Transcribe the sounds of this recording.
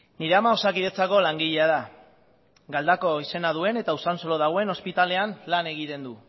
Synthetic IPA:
niɾe̞amaosakiðet͡sako̞laŋɡiʎeaða | ɡald̪ako̞ise̞nað̞ue̞ne̞t̪ausanso̞loð̞aɣ̞oe̞no̞spit̪ale̞anlane̞ɣ̞it̪e̞nd̪u

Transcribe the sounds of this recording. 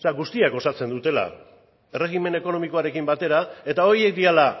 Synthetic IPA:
saɣust̪iakɡo̞sat͡se̞nd̪ut̪e̞la̰ | ere̞ɣime̞ne̞ko̞no̞miko̞aɾe̞kimbat̪e̞ɾae̞t̪ao̞ɾie̞k̚d̪iala

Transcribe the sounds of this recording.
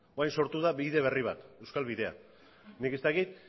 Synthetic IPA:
oajnso̞ɾt̪uðaβiðe̞β̞e̞riβ̞at̪e̞wskalβiðe̞a̰ | nike̞st̪akit̪̚

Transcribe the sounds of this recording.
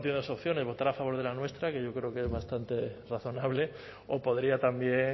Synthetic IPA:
t̪enoso̞pθjo̞ne̞zβ̞o̞t̪aɾafaβo̞ɾð̞elanwe̞st̪ɾake̞ʝo̞kɾe̞okeezβast̪ant̪e̞raθo̞naβle̞ | o̞po̞ðɾiat̪ambje̞

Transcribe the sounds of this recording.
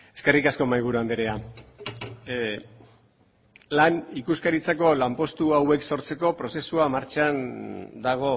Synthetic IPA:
e̞ske̞rikasko̞majɣ̞uɾuand̪eɾea | lanikuskaɾit͡sako̞lampo̞st̪uawe̞kso̞ɾt͡se̞ko̞pɾo̞se̞suamaɾt͡ʃand̪aɣ̞o̞

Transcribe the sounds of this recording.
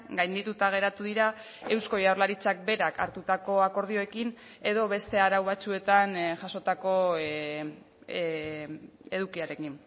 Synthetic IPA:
ɡajnd̪it̪ut̪aɣ̞e̞ɾat̪uðiɾa | e̞wsko̞jawɾlaɾit͡sak̚be̞ɾakʰa̰ɾt̪ut̪ako̞ako̞ɾð̞io̞e̞kin | e̞ðo̞βe̞st̪e̞aɾawβat͡sue̞t̪anʝaso̞t̪ako̞ | e̞ðukiaɾe̞kin

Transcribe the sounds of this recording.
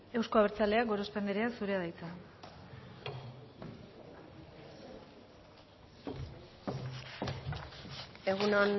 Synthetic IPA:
e̞wsko̞aβe̞ɾt͡sale̞aɡo̞ɾo̞spe̞nd̪eɾeasuɾe̞aðajt͡s̪a | e̞ɣunon

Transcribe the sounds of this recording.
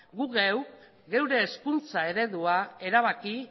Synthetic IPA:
ɡuɣew | ɣe̞wɾe̞ːskunt͡sae̞ɾe̞ðuae̞ɾaβ̞aki

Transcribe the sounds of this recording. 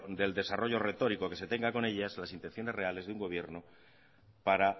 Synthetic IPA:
d̪e̞ld̪e̞saro̞ʝo̞re̞t̪o̞ɾiko̞ke̞se̞t̪e̞ŋɡako̞ne̞ʎazlasint̪e̞nθjo̞ne̞zre̞ale̞zðeuŋɡo̞β̞je̞ɾno | paɾa

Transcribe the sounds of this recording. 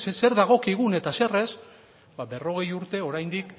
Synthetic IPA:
se̞ɾðaɣ̞o̞kiɣune̞t̪ase̞re̞s | babe̞ro̞ɣ̞e̞juɾt̪e̞o̞ɾajnd̪ik

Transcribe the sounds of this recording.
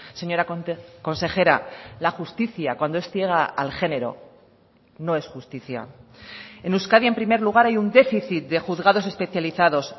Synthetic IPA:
se̞ɲo̞ɾako̞nse̞xe̞ɾa̰laxust̪iθjakwand̪oe̞st̪je̞ɣ̞a̰ːlxe̞ne̞ɾo̞̰ | no̞e̞sxust̪iθja̰ | e̞nuskaðjae̞mpɾime̞ɾluɣ̞aɾajund̪e̞fiθit̪̚d̪e̞xuðɣaðo̞se̞spe̞θjaliθaðo̞s

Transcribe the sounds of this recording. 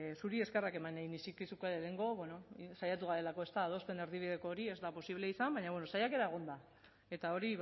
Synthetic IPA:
suɾie̞skerake̞maneinisikisukalele̞ŋɡo̞βeno̞sajat̪uɣ̞aɾe̞lako̞e̞st̪aːðo̞spe̞neɾðiβiðe̞ko̞ːɾie̞zd̪apo̞siβleisambaɲaβweno̞sajake̞ɾaeɣ̞o̞nd̪a | e̞t̪ao̞ɾi

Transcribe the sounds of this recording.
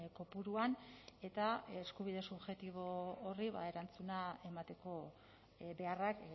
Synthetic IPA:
ko̞puɾuane̞t̪aeskuβ̞ið̞e̞suβxe̞t̪iβ̞o̞ːriβa̰e̞ɾant͡sunae̞mat̪e̞ko̞ | be̞arak

